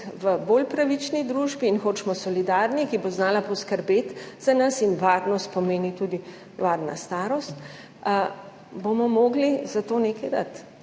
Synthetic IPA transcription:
ʋəboːlpɾaʋit͡ʃnid̪ɾuʒbiːnxoːt͡ʃmɔsɔlid̪aɾnikiboznaːlapɔskəɾbeːt̪z̥anɐsinʋaɾnɔst̪̚pɔmeːnit̪ud̪i | ʋaːɾna̰st̪aːɾɔst̪ | bomɔmoːɡlizat̪oːnekɛjd̪a̰t̪

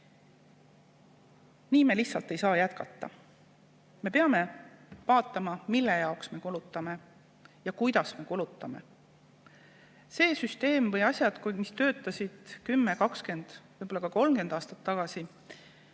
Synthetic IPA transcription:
niːme̞liçtsɑlt̪ːˑe̞jsɑːjæt̪kɑ̰t̪ˑːɑ̰ | me̞pe̞ɑme̞vɑːt̪ːˑɑmɑmilːe̞jɑoksme̞kulut̪ːˑɑme̞ | jɑkujd̪̥ɑsme̞kulut̪ːˑɑme̞̰ | se̞ːsyst̪e̞ːmvɤjɑsʲjɑd̪̥kumist̪ø̞ːt̪ːˑɑsʲid̪̥kymːe̞kɑkske̞nd̪̥vɤjbolːɑkɑko̞lmke̞nd̪ɑːst̪ɑ̥t̪ːɑɡ̥ɑsi

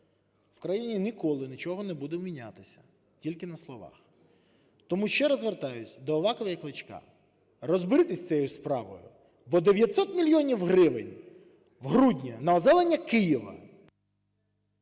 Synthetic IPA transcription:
w̥kɾɐjinʲinʲikɔlˠɪnʲit͡ʃɔɦɔnɛbud̪ɛwmʲinʲat̪ɪsʲɐ̥ | tʲilʲkɪnɐslˠɔʋɑ̰x | t̪ɔmuʃt͡ʃɛɾɐzʋert̪ɑjʊtʲd̪ɔːʋɑkɔʋɐjɐklˠɪt͡ʃkɑ̰ | rɔzbɪɾɪt̪ɪsʲt̪sɛjjʊspɾɑ̰ʋɔ̰jʊ̰ | bɔd̪eʋʲjɐt̪ʲsɔt̪mʲilʲjɔnʲiwɦɾɪʋɪ̰nʲ | wɦɾudʲnʲɐnɐɔzɛlˠenʲːɐkɪjiʋɐ̰

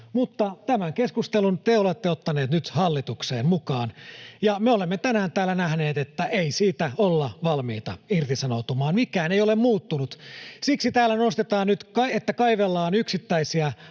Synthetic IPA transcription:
mut̪ːɑt̪æmæŋkeskust̪elunt̪eolet̪ːeot̪ːɑneːt̪nyt̪hɑlːit̪uksḛːmmukɑːnjɑmeolemːet̪ænæːnt̪æːlːænæhneːt̪et̪ːæeisiːt̪æolːɑʋɑlmḭːt̪ɑ̰irt̪isɑnot̪umɑːnmikˑæːneijolemmuːt̪ːunut̪siksit̪æːlːænnost̪et̪ɑːnnyt̪kɑet̪ːækɑiʋelːɑːnyksit̪ːæisiæ

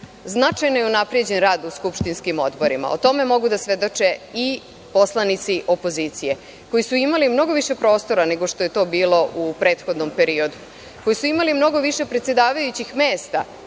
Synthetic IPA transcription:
znat͡ʂajnojeunapɾije̞d͡ʑe̞nɾaːd̪uskupʃt̪inskimo̞d̪bo̞ɾima̰o̰t̪o̞me̞mo̞ɡud̪asʋe̞d̪o̞t͡ʂei | po̞slˠanit̪siʔo̞po̞zit̪sije̞ | ko̞jisuimalimno̞ɡo̞ʋiʃe̞pɾo̞ːst̪o̞ɾane̞ɡo̞ʃt̪oje̞t̪o̞ːbiːlo̞ʔupɾe̞ːt̪xo̞d̪nompe̞ɾio̞d̪u | ko̞jisuimalimno̞ɡo̞ʋiʃe̞pɾet̪se̞d̪aːʋajut͡ɕixmeːst̪a̰

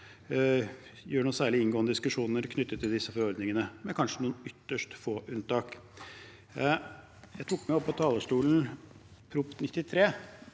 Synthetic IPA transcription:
jøːɳuːsæːɭɪɪnɡoːnəd̪ɪskʉʂuːnnəɾkʰnʏt̪ːət̪ʰːɪld̪ɪsːəfɔɾɔɾd̪nɪŋənəmɛkʰɑnʂənuːnʏt̪ːəʂʈfoːʔʉnt̪ɑːk | jæɪt̪ʰukmæɔpːɔt̪ʰɑːləʂʈuːln̩pʰɾʊpnɪt̪ːɪt̪ʰɾeː

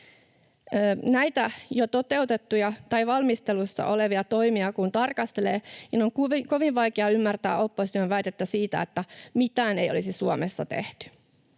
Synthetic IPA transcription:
næjt̪æjot̪ot̪e̞ut̪et̪ːujɑt̪ɑjʋɑlmist̪elusːɑ̰ʔo̞leʋiɑt̪o̞imiɑkunt̪ɑrkɑst̪eleːninoŋkuʋko̞ʋiʋʋɑjkeɑymːært̪æ̰ːo̞pːosit̪ioʋæjt̪et̪ːæsiːt̪æ̰et̪ːæmit̪æːneio̰lisisuomesːɑ̰t̪ḛht̪y̥

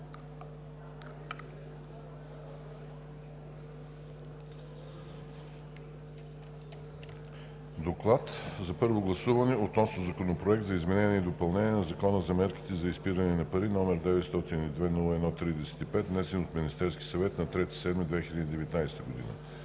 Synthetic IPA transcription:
d̪oklˠat̪zɐpɤɾvoɡlˠɐsuvənɛot̪nɔsnozɐkonopɾoɛk̚t̪zɐizmɛnɛnʲɛid̪opɐlˠnɛniɛnɐzɐkɔnəzɐmɛɾki̥t̪ɛzɐispiɾənɛnɐpɐɾinɔmɛɾd̪ɛvɛt̪st̪ɔt̪inid̪vɛnulˠəɛd̪nɔt̪ɾid̪ɛsɛ̥t̪ipɛt̪̚d̪nɛst̪inot̪minʲist̪ɛɾskʲi̥sɐvɛt̪nɐt̪ɾɛt̪i̥sɛd̪mid̪vɛxiʎʲəd̪id̪ɛvɛt̪najsɛt̪əɡod̪ḭnə̰

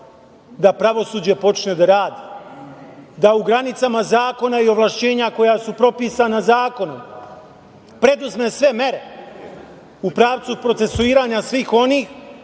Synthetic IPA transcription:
d̪apɾaʋo̞suːd͡ʑe̞po̞t͡ʃne̞d̪aɾaːd̪i̥ | d̪auɡɾanit̪samazaːko̞naio̞ʋlˠaʃt͡ɕe̞ːɲako̞jasupɾo̞piːsanazaːko̞nom | pɾe̞d̪uzmesʋe̞me̞ɾe̞ | upɾaːʋt̪supɾo̞t̪e̞suiːɾaːɲasʋiːxo̞niːx

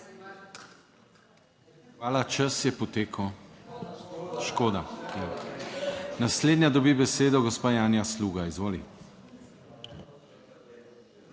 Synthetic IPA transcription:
xʋaːlat͡ʃəsjɛpɔt̪eːkʰəw | ʃkoːd̪aja | nasleːd̪njad̪ɔbibɛseːd̪ɔɡɔspaːjaːnjasluːɡaizʋoːli

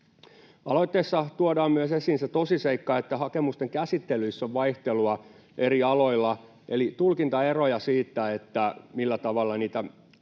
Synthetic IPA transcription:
ɑlo̞it̪ːeːsːɑt̪uodɑːmmyøsesiːnset̪osiseikːɑet̪ːæhɑkemust̪eŋkæsit̪ːelyisːoʋʋɑiht̪eluɑ | ʔe̞ɾiɑloilːɑ | ʔelit̪ulkint̪ɑerojɑsiːt̪ːæet̪ːæmilːæt̪ɑʋɑlːɑniːt̪æ

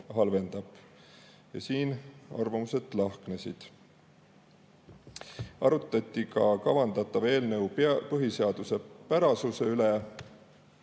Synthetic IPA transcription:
ɦɑlve̞nd̪̥ɑb̥ | jɑ̰siːnɑ̰rvɑmuse̞t̪ːˑlɑhknesḭd̪̥ | ɑɾut̪ːˑɑt̪ʲːikɑkɑvɑnd̪ɑt̪ːˑɑve̞ːlnɤwppɤɦise̞ɑd̪use̞pæɾɑsuse̞yle

